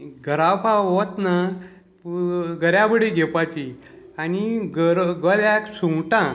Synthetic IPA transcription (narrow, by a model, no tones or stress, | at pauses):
ɡʱəɾawpaɦot̪na | ɡəɾjabəɽiɡʱepat͡ɕi | aniɡəɾɡəljaksuŋʈã